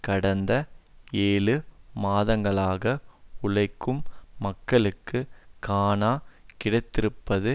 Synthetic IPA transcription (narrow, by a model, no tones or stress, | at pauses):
kɐɽɐnd̪ɐeːlɯmaːðɐŋɡɐɭaːɣɐʊɻɐɪkːɯmːɐkːɐɭɯkːɯkaːnaːkɪɽɐɪt̪ːɪɾɯpːɐðɯ